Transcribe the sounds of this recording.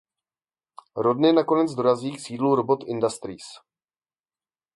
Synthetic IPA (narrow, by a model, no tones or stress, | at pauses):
ɾodɲɛnako̞nɛd͡zdo̞ɾaziːksiːdluɾobot̪ʔɪndast̪ɾiːs